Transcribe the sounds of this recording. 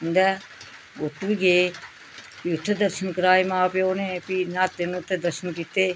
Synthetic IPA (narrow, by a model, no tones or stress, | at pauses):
nd̪ɛ | ʊt̪ːʋiɡeː | piʊt̪ʰːed̪əɾʃənkəɾaːimãːpeoːnẽːpinaːt̪ːenũt̪ʰːed̪əɾʃənkiːt̪eː